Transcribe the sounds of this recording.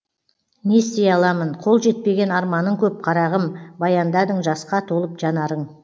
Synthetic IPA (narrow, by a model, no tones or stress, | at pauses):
ne̞st̪ejɑlˠɑmənqʰo̞lˠʒe̞t̪̚pe̞ɡʲe̞nɑɾmɑnəɴkʲʰɵp̚qʰɑɾɑʁəmbɑjɑnd̪ɑd̪əɴʒɑsqɑt̪ʰolˠəpʒɑnɑɾəɴ